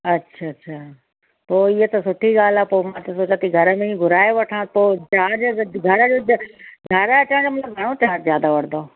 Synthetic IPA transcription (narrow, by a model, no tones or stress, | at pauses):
ɐtːɕʰaːɕʰaː | poːɪɦət̪ɐsʊʈʰiɠaːlaːpoːmãt̪ɐsoːt͡ɕat̪iɡʱɐɾə̆mẽiɡʱʊɾaːeʋɐʈʰãːpoːt͡ɕaːd͡ʑoɡʱɐɾəd͡ʑoːɡʱɐɾt͡ɕãːd͡ʑomɐt̪ləbɡʱəɽ̃ot͡ɕaːɾzjaːd̪aʋɐɽnd̪oː